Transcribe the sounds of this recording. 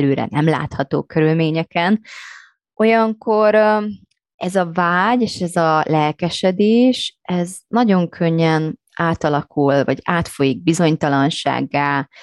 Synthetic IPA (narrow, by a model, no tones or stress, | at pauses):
løːɾɛ̰nɛmla̰ːt̪hɒt̪o̰ːkøɾylmeːɲɛkɛn | o̞jɒŋko̞ɾ | ɛzɒvaːɟeːʃɛzɒlɛlkɛʃɛd̪eːʃʔɛznɒɟo̞ŋkʰø̞ɲːɛn | ʔaːt̪ɒlɒkulvɒ̰ɟaːt̪fo̞jiɡ̚bizo̞ɲt̪ɒlɒnʃa̰ːɡːaːl